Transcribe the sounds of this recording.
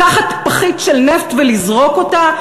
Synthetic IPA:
aχatpaχitʃelneft̪velizʁo̞ko̞ta

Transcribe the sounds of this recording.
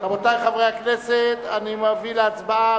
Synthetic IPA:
kamot̪ajχavʁeakneset̪animavileat͡sbaa

